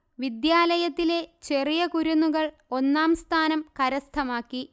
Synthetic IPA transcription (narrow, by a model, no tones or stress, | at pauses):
ʋid̪jaːlɐjɐt̪ːile̞t͡ɕe̞rijɐkuɾunːuɣɐɭ | o̞nːaːmst̪ʰaːnɐmkɐɾɐst̪ʰɐmaːkːi